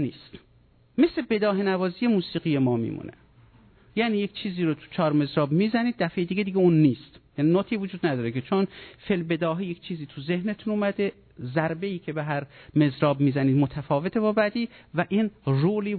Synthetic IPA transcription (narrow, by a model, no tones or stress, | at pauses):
niːst̪ | mesle̞be̞d̪ɒːɦenævɒːziːje̞muːsiːɣiːje̞mɒːmḭːmṵnʔḛ | jæniːjekt͡ʃʰiːziːɾot̪ʰu̥t͡ʃʰɒːɾme̞zɾɒːbmiːzæniːd̪̚ːæfejed̪iːɡed̪iɡeunːiːst̪jæninot̪ʰiːvod͡ʒuːd̪næd̪ɒːɾekʰet͡ʃʰonfelbe̞d̪ɒːɦiject͡ʃʰiːziːt̪ʰuzehnet̪ʰunuːmæd̪e | zæɾbe̞iːcʰebeɦæɾme̞zɾɒːbmiːzæniːd̪mot̪ʰæfɒːve̞t̪ʰebɒːbæd̪iːvæʔiːnruːliː